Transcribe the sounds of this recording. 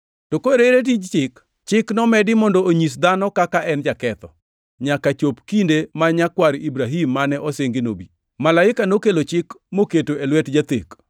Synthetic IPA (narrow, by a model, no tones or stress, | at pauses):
tokoeɾeɾet̬id͡ʒt͡ʃɪk | t͡ʃɪknɔmɛdɪmɔndooɲis̬d̪anɔkakaʔɛnd͡ʒakɛt̪ɔ | ɲakat͡ʃopkindemaɲakwaɾibɾaɦimːanɛʔɔseŋɡeno̰bi | malaɪkanokelot͡ʃɪkmoketoelwɛtd͡ʒat̪ḛk